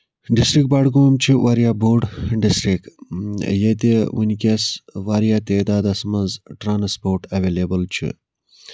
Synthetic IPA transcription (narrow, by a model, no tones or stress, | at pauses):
ɖisʈɾik̚baːɽɡoːmt͡ʃʰiʋaːɾjaːboːɾɖɖisʈɾik | jet̪eṵnʲkʲɐsʋaːɾijaːt̪eːd̪aːd̪ɐsmɐzʈɾaːnspoːɾʈɐʋeːleːbəlt͡ʃʰḭ